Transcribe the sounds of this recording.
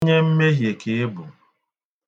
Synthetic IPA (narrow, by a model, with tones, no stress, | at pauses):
ɲe˦m̩˦me˦ɦje˨ke˨e˦bʊ˨